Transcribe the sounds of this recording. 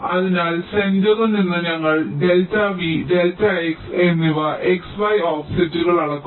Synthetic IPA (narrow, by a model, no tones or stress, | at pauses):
ɐðinaːlsendoðɐninːɨɲɐŋːɐɭɖeltːaʋideltːɐeksenːiʋɐʔeksbɐjoːfi̥sɐtːuɣɐɭɐɽɐkːu